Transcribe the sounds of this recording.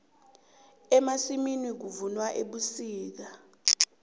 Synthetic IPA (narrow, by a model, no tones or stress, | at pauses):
ɛmasiminwik̬uvunwaʔeɓusiːk̬a